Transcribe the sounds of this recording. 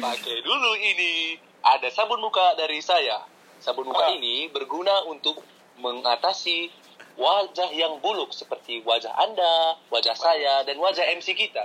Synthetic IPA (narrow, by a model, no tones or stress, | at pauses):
pakajduluini | ʔadasabʊnmukadaɾisaja | sabʊnmukainibərɡunaunt̪ʊk̚ | məŋat̪asi | wad͡ʒahjaŋbulʊk̚səpərt̪iwad͡ʒa̰ɦa̰ndawad͡ʒahsajadanwad͡ʒaɦɛmsikit̪a